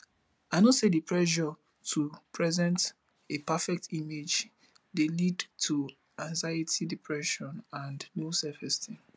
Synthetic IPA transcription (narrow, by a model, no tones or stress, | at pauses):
aɪnosedipʰɹɛʃɔ | tʰupʰɹɛzɛ̃nt | epʰafɛk̚timed͡ʒ | delidtʰu | ãŋzaɪitʰidipʰɹɛʃɔ̃nãndnosɛfɛstʰi